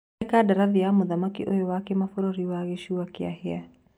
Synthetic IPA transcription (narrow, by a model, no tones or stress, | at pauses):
kadaɾaðijamoðamakḭʔojowakemafoɾoɾiwaɣeʃuwakea̰hɛa